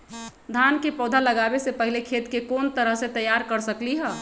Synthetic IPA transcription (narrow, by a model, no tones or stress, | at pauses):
d̪ʱankepɔːd̪ʱaləɡabesepəɦilekʰeːt̪kekoːnt̪əɾəɦset̪əjaɾkəɾsəkliɦɛː